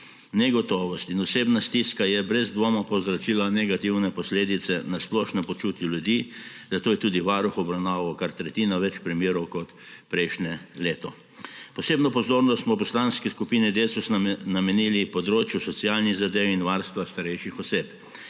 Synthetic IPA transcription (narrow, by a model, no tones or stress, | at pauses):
nɛɡɔt̪ɔːʋɔst̪inɔseːbnast̪iskajɛbɾɛzd̪ʋomapɔwzɾɔt͡ʃilanɛɡat̪iwnɛpɔsleːd̪it̪sɛnasplɔːʃnɛpɔt͡ʃut̪juljud̪i | d̪̥at̪oːjɛt̪uːd̪iʋaːɾuxɔbɾawnaːʋɐwkaɾt̪ɾɛt̪iːnaʋɛt͡ʃpɾimjeːɾɔwkɔt̪ | pɾɛjʃnjɛleːt̪ɔ | pɔseːbnɔpɔzoːɾnɔst̪mɔpɔslanskɛskupinɛd̪esusnamɛniːlipɔd̪ɾoːt͡ʃjusɔt̪siaːlniɣzad̪eːwinʋaɾst̪ʋast̪aɾɛjʃixɔseːp